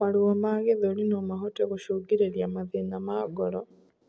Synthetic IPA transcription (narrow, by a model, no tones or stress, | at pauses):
maɾuɔmaɣeðolinomaɦotɛɣoʃoɡiɾeɾjamaðenamaːɡɔɾɔ